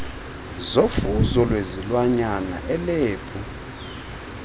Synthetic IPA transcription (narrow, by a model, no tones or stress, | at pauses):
zofuzɔlwezilwaɲana̰ʔɛleːpʰʼu